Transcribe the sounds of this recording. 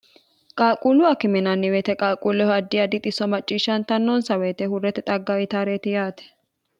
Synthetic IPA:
kʼaːkʼuːlʊɐkɪmɛnɐnːɪwet̪ɛkʼaːkʼuːlɛhɔɐd̪ːɪjɐd̪ɪt̪ʼɪsɔmɐt͡ʃʼːiːʃɐnt̪ɐnːɔnsɐweːt̪ɛhʊrːɛt̪ɛt̪ʼɐɡːɐwɪt̪ɐɾeːt̪ɪjaːt̪ɛ̥

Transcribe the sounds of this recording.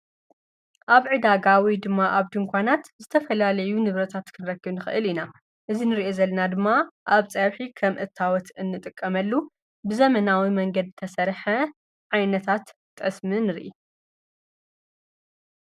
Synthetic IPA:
ʔaβʕɨd̪aɡawid̪ɨmːaʔaβd̪ɨŋkʷanat̪zɨt̪ʰɐfɐlalɐjunɨβɾɐt̪ʰat̪kʰɨnɨɾɐkːɨβnɨxɨ̰ʔɨlina | ʔɨzinɨɾiʔozɐlːɐnad̪ɨmːaʔaβt͡sʼɐwħikʰɐmʔɨt̪ʰːawɔt̪ɨnːɨt̪ʼɨkʼːɐmɐlːu | bɨzɐmɐnawimɐŋɡɐd̪̚t̪ʰɐsɐɾħɐ | ʕajnɐt̪ʰat̪ːʼ | ɨsmɨnɨɾ̰ʔi

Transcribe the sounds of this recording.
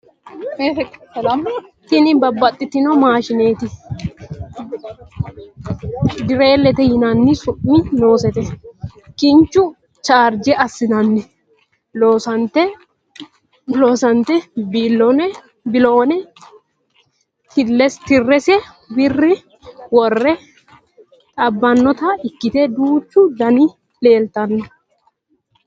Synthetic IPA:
t̪ɪnɪbɐbːɐt̪ʼːɪt̪ːɪnɔmaːʃɪneːt̪ɪ | d̪ɪɾeːlːɛt̪ɛhɪnanːɪsʊʔino̞ːsɛt̪ɛkɪnt͡ʃʊ | t͡ʃaːɾd͡ʒɛɐsːɪnɐnːɪ | loːsɐnt̪ɛ | loːsɐnt̪ɛbiːlːɔnɛ | bɪloːnɛ | t̪ɪlːɛst̪ɪrːɛsɛ | bɪrːɪ | wɔrːɛ | t̪ʼɐbːɐnːɔt̪ɐɪkːɪt̪eːd̪uːt͡ʃːʊd̪ɐni | le̞ːlt̪ɐnːɛ

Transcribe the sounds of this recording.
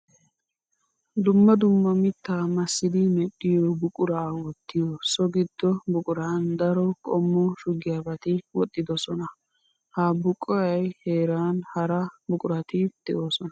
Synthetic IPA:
d̪ʊmːɐd̪ʊmːɐmɪt̪ːaːmɐsːɪd̪ɪmɛɗːɪjɔbʊkʼʊɾaːwɔt̪ːɪjɔsɔɡɪd̪̥ːɔbʊkʼʊɾaːnd̪ɐɾɔkʼɔmːɔʃʊɡɪjabɐt̪ɪwɔt̪ʼːɪd̪ɔsɔnɐ | haːbʊkʼːɔjɐjheːɾaːnhɐɾɐbʊkʼʊɾɐt̪ɪd̪̥ɛʔoːsɔnɐ

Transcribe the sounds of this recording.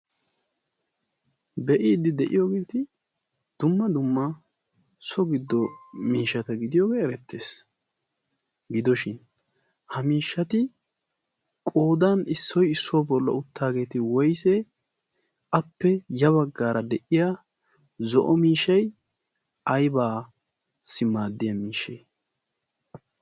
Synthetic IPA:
bɛʔiːd̪ɪd̪ɛʔɪjo̞ːɡeːt̪ɪ | d̪̥ʊmːɐd̪ʊmːɐ | sɔɡɪd̪ːɔmiːʃɐt̪ɐɡɪd̪ɪjo̞ːɡeːɛɾɛt̪ːe̞ːs | ɡɪd̪ɔʃɪn | hɐmiːʃːɐt̪ɪ | kʼoːd̪aːnɪsːɔjɪsːobɔlːɐ̰ʊt̪ːaːɡe̞ːt̪ɪwɔjsɛ | ɐpːɛjɐβɐɡːaːɾɐd̪ɛʔɪjɐ | zɔʔɔmiːʃɐj | ʔɐjbaː | sɪmaːd̪ːɪjɐmiːʃeː

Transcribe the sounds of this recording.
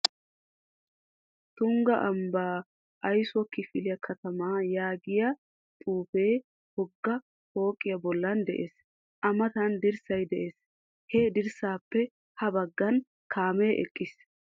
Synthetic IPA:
t̪ʊŋɡɐʔɐmbaː | ʔɐjsɔkːɪfɪlɪjɐkʰɐt̪ɐmaːjaːɡɪjɐ | t̪ʼuːfeː | hɔɡːɐ | ho̞ːkʼːɪjɐbɔlːɐnd̪ɛʔeːs | ʔɐmɐt̪ɐnd̪ɪɾsɐjd̪ɛʔeːs | hɛd̪ɪɾsaːpːɛ | hɐbɐɡːɐn | kʰaːmeːʔɛ̰kʼːɪs

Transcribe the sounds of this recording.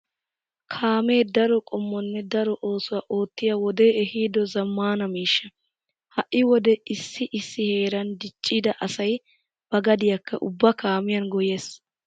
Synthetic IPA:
kʰaːme̞ːd̪ɐɾɔkʼɔmːɔnːɛd̪ɐɾɔʔo̞ːsʊwaːʔo̞ːt̪ːɪjawɔd̪e̞ːʔɛhiːd̪ɔzɐmːaːnɐmiːʃːɐ | hɐʔːɪwɔd̪ɛɪsːɪʔɪsːɪhe̞ːɾɐnd̪ɪt͡ʃʼːɪd̪ɐʔɐsɐj | b̥ɐɡɐd̪ɪjɐkʰːɐ̰ʔʊbːɐkaːmɪjɐnɡɔjeːs

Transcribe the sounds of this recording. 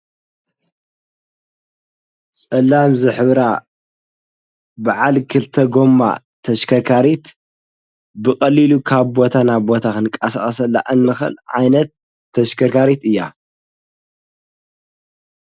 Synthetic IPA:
sʼɐlːamzɨħɨβɾa | baʕalkʰɨlt̪ʰɐɡo̞mːa̰ | t̪ʰɐʃkʰɐɾkʰaɾit̪ | bɨkʼɐlilukʰaβbo̞t̪ʰanaβbo̞t̪ʰakɨnkʼɐsaχʼɐsɐlːa̰ʔɨnːɨxɨ̰lʕajnɐt̪ʰː | ɐʃkʰɐɾkʰaɾit̪ɨjːa

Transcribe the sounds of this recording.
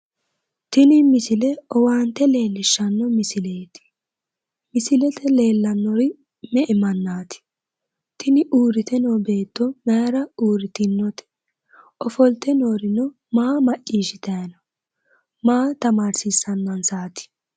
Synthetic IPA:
t̪ɪnɪmɪsɪlɛɔwaːnt̪ːɛle̞ːlːɪʃːɐnːɔmɪsɪleːt̪ɪ̥ | mɪsɪlɛt̪ɛle̞ːlːɐnːɔɾɪ | mɛʔɪmɐnːaːt̪ɪ̥ | t̪ɪnɪʔuːɾɪt̪ɛnɔːbe̞ːt̪ːɔmɐjɾɐuːɾɪt̪ɪnːɔt̪ɛ̥ | ʔɔfɔlt̪ɛnoːɾɪnɔ | maːmɐʔiːʃɪt̪ɐjɐnɐ | maːt̪ɐmaːɾsɪsɐnːɐnsaːt̪ɪ̥

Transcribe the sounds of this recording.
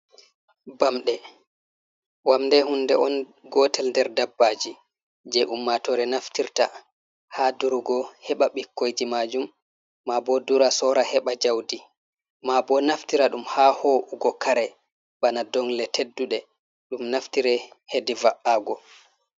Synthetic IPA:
bamɗɛ | wamndɛhundɛɔn | ɡɔtɛlndɛɾdabːad͡ʒi | d͡ʒɛʔumːatɔɾɛnaftiɾta | haduɾuɡɔhɛɓaɓikːojd͡ʒimad͡ʒumː | abɔduɾasɔɾahɛɓad͡ʒawdi | mabɔnaftiɾaɗumhahɔʔuɡɔkʰaɾɛ | banadɔŋlɛtedːuɗɛ | ɗumnaftiɾɛhedivaʔaɡɔ

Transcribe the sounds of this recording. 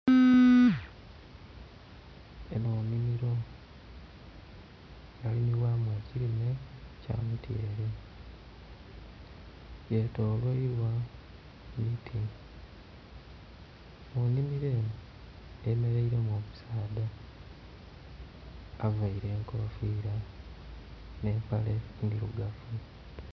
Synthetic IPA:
jenoːmimiɾo̞ | jalimiwamweciɾime̞ca̰mutjeːɾi | jeto̞ːlweiɾwa | mitʰi | munimiɾe̞ːmu | je̞me̞ɾeiɾe̞moːmusaːda | avaiɾe̞ːŋkoofiːɾa | ne̞ːmpalendiɾuɡafu

